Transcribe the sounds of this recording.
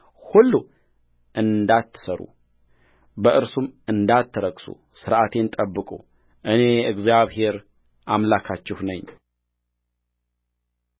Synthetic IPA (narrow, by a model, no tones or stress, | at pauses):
hulːu | ʔɨnd̪at̪ʰːɨ̥səɾṵ | bəʔɨɾsumʔɨnd̪at̪ʰːɨɾəɡsṵ | sɨɾʔat̪ʰe̞nt̪ʼəbːɨkʼṵ | ʔɨne̞ɨɡzjaβhe̞ɾ | ʔamlakʰat͡ʃːɪhnəɲː